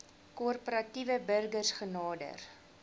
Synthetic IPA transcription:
kurpəɾɐtivəbərɡərsχənɑːdə̰r

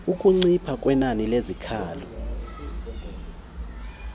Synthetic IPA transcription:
uk̬ʼuŋ͡ǀipʰak̬ʼwɛnanilezikʰaːlɔ

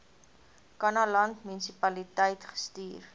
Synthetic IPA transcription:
kɐnɐlɐntmynisipɐlitəjtχə̥styːr

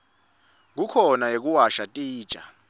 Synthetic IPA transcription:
ŋ̬ukʰɔnajek̬uwaʃatʼiːd̥ʒ̥ʱa

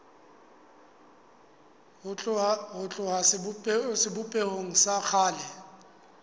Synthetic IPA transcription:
ʊɦʊt͡ɬʼʊɦassɪbʊpʼehoŋ̩sak͡xʰaːlɛ

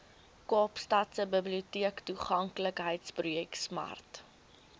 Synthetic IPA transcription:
kɑːpstɐtsəbəbliutiəktuχɐŋkləkɦəjtsprujɛksmɐ̰rt

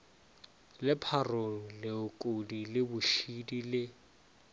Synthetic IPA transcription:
lɪpʰaroŋ̩lɪʊkʼodilɪbʊʃidilɪ

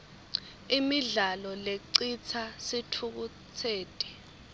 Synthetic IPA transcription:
imiɮalɔleǀit͡sʰasitʰuk̬u | t͡sʰeːtʼɛ̥

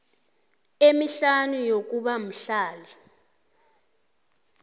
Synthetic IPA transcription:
emiɬanujok̬uɓam̩ɬaːli

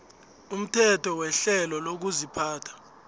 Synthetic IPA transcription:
um̩tʰɛtʰɔwɛɬɛlɔlok̬uzipʰaːtʰḁ

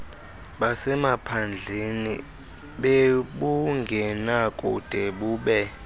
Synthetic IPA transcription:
ɓasɛmapʰand͡ɮʱenḭ | ɓeɓuŋɡʱɛnakʼṵd̥ʱeɓuːɓɛ

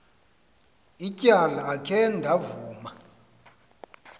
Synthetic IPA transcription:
icʼalaːkʰɛndʱavuːma

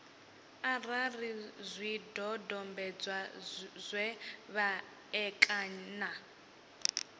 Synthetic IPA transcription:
ararizʷidɔdɔmbɛd͡zwazʷwɛβa | ɛkʼana

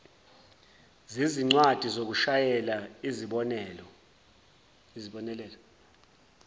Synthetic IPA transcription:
ziziŋ͡ǀwad̥ʱizok̬uʃajɛlaiziɓɔnɛlɔ | iziɓɔnɛlɛlɔ

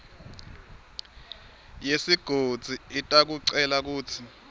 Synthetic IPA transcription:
jesiɡ̥ʱod̥z̥ʱiitʼak̬uǀɛlak̬uːtʰi

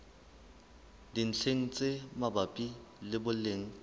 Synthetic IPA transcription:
din̩t͡ɬʰeŋ̩t͡sʼemabapʼilɪbʊleŋ̩

